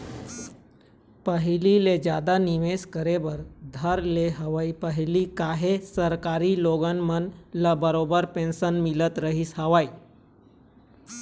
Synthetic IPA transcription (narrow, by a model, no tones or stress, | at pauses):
pəɦililed͡ʑjad̪aniʋeskəɾeʋəɾd̪ʱəɾleɦəʋaipəɦilikaɦesəɾkaɾiːloɡənmənlabəɾobəɾpẽnsənmilət̪ɾəɦiːsɦəʋai